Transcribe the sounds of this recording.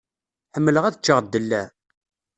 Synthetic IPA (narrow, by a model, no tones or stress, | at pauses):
ħəmːələʁæðət͡ʃːəʁd̪ːəlːæ